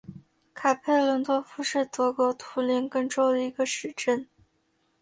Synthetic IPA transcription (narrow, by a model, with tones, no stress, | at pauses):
kʰa˨˩pʰe˥˩ɪlə˧˥nt̪wɔ˥fu˧˥ʂɻ̩˥˩t̪ɤ˧˥kwɔ˧˥t̪ʰu˧˥li˧˥ŋkɤ˥˧ŋʈ͡ʂo˥ʊd̪ə˩i˧˥ɡə˧ʂɻ̩˧˥ʈ͡ʂə˥˩n